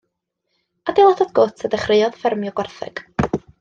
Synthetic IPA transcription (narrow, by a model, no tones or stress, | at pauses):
ad̥elˠatɔd̚ɡotʰədɛχrɪjɔðfɪrmjɔɡ̥wɔrθɛ̰ɡ̥